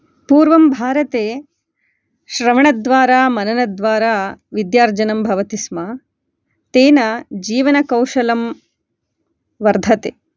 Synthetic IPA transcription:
puːɾʋɐmbʱaːɾɐt̪eː | ʃɾɐmɐɳɐd̪ʋaːɾaːmɐnɐnɐd̪ʋaːɾaːʋid̪jaːɾd͡ʒɐnɐmbʱɐʋɐt̪isma | t̪eːnɐd͡ʒiːʋɐnɐkɐwʃɐlɐm | ʋɐɾd̪ʱɐt̪eː

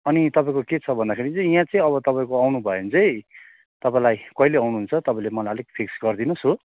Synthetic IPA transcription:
ʌnit̪ʌpaĩkoket͡sʰʌbʱʌnd̪akʰeɾit͡sʌ̃ĩjãt͡sʌ̃ĩʌβʌt̪ʌpaĩkoawnubʱʌjent͡sʌj̃ | t̪ʌpãĩlajkʌileawnuɦunt͡sʰʌt̪ʌpãĩlemʌlajʌleɡ̚pʰiksɡʌrd̪inuso

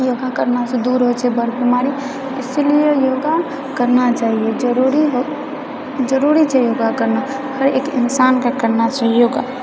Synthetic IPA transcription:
joːɡakəɾnased̪uːɾɦot͡ʃʰebəɾbimaːɾi | ɪselijejoːɡa | kəɾnat͡ʃaːɦijed͡ʒəɾuɾiɦo | d͡ʒəɾuːɾit͡ʃʰɛjoːɡakəɾna | həɾeːkɪ̰nsaːnkakəɾnat͡ʃaːɦijoːɡaː

